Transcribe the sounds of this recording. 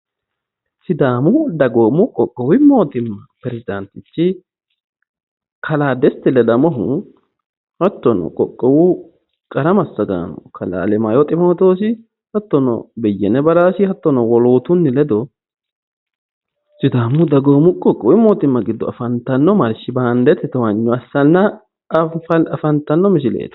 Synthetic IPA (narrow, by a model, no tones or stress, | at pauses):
sɪd̪aːmʊd̪ɐɡo̞ːmʊkʼɔkʼːɔwɪmo̞ːt̪ɪmːɐpɾɛsɪd̪ɐnt̪ɪt͡ʃːɪ | kʰɐlaːd̪ɛst̪ɪlɛd̪ɐmɔɦʊ | hɐt̪ːɔnɔ̰kʼɔkʼːɔwʊ | kʼɐɾɐmɐsːɐɡa̰ːnɔ̰kʰɐla̰ːlɛmajɔt̪ʼɪmo̞ːt̪o̞ːs̬ɪ | hɐt̪ːɔnɔ̰bɛjːɛnɛbɐɾaːsɪhɐt̪ːɔnɔwɔlo̞ːt̪ʊnːɪlɛd̪ɔ | sɪd̪aːmːʊd̪ɐɡoːmʊkʼɔkʼːɐwɪmːoːt̪ɪmːɐɡɪd̪ːɔɐfɐnt̪ɐnːɔmɐɾʃɪbaːnd̪ɛt̪ɛt̪ɔwɐɲːɔɐsːɐnːɐ | fɐɐfɐnt̪ɐnːɔmɪs̬ɪlḛːt̪ɐ̥